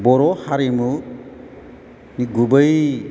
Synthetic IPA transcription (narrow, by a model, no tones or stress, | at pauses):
bɔɾɔhaɾimu | niɡubəj